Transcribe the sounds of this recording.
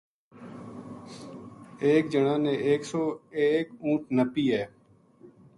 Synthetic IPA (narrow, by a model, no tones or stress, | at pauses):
eːk̚d͡ʒəɳãːnẽːeːksoːeːkũːʈ̚ʰnəpiːɛː